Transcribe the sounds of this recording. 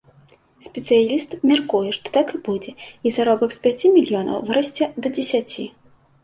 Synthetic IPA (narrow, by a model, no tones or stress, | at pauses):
sʲpʲɛt̪sɨjalʲist̪mʲarkujɛʂt̪ɔ̥t̪akɨbud͡zʲɛizaɾɔbɐkspʲat͡sʲimʲilʲjɔnɐ̰wvɨɾɐsʲt͡sʲɛd̪ɐd͡zʲesʲat͡sʲi